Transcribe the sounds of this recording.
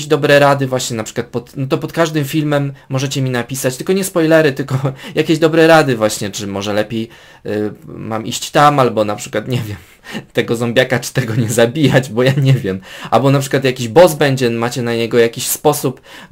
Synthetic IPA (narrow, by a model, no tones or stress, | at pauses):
ʑd̪ɔbɾɛɾad̪ɘvwaɕɲɛnapʂɘ̥kwat̪̚pɔt̪nɔt̪ɔpɔt̪kaʐd̪ɘmfʲilmɛmːɔʐɛt͡ɕɛmʲinapʲisat͡ɕt̪ɘlkɔɲɛspɔjlɛɾɘt̪ɘlkɔjakʲeʑd̪ɔbɾɛɾad̪ɘvwaɕɲɛt͡ʂɘmɔʐɛlɛpʲjej | mamʔḭɕt͡ɕt̪amalbɔnapʂɘ̥kwat̪ɲɛvʲjɛm | t̪ɛɡɔzɔmbʲjakat͡ʂɨ̥t̪ɛɡɔɲɛzabʲijad͡ʑbɔjaɲɛvʲjɛma̰lbɔnapʂɘ̥kwat̪̬jakʲiʑbɔzbɛɲd͡ʑɛmat͡ɕɛnaɲɛɡɔjakʲiɕspɔsup